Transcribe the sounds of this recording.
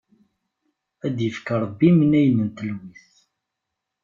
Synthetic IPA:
æd̪jəfkaɾˤəbːimənæjnənt̪əlwiθ

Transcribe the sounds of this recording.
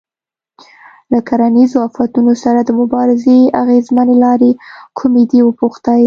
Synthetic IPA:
lakaɾanizoafat̪unosaɾad̪əmʊbɑɾɪzeaɣezmanelɑɾekʰumed̪iwəpuxt̪aj

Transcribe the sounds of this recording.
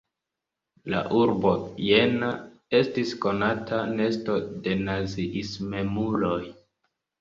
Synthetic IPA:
la̰ʔuɾbo̞je̞na | e̞stisko̞natʰane̞sto̞de̞naziʔisme̞mulo̞j

